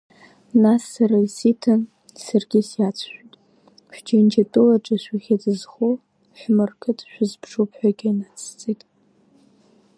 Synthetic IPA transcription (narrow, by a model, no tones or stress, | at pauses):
nasːaɾaisitʰɨn | sarɡʲɪsjat͡sʰʃʷᶣitʼ | ħʷᶣd͡ʒind͡ʒatʼɨlaʈ͡ʂʼaʃʷaχʲad͡zɨzχo | ħʷmɨrkʰɨtʰʼʃʷᶣʊzpʰʂupʰħʷᶣaɡʲainat͡sʰt͡sʼetʼ